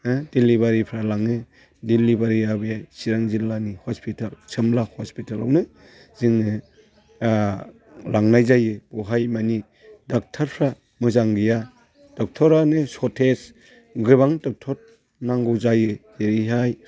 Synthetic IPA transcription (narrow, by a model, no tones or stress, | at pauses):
d̥ilːiβaɾipʰɾalaŋɯ | dilːibaɾiabɯjajsiɾaŋzilanihospʰitʰalsɯmlahɔspitʰala̰wnɯ | ziŋɯ | laŋnajzajɯbɔɦajmani | dak̚tʰaɾpʰɾa | mɯzaŋɡɯja | d̥ɔk̚tʰɔɾanɯsɔtʰes | ɡɯβaŋtɔk̚tʰɔt̚ | naŋɡɔwzajɯ | eɾiɦaj